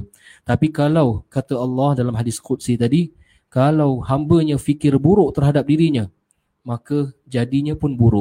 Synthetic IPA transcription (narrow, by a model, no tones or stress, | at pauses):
t̪apikalawkat̪əɑlːɑhdalamɦadɪskut̪̚sit̪adi | kalawhambəɲãfikɪrbuɾʊʔt̪ərɦadap̚diɾiɲã | makəd͡ʒadiɲãpʊnbuɾʊʔ